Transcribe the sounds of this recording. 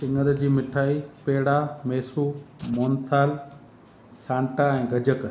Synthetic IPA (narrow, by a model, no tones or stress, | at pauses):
sɪ̃ŋɡəɾd͡ʑiːmɪʈʰaːipeːɽameːsumoːnt̪ʰaːl | sãːɳʈaɛ̃ːɡʱɐd͡ʑək